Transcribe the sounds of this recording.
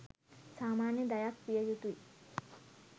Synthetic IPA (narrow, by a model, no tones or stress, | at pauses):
saːmaːnjəd̪ajakpijəd͡ʒut̪ui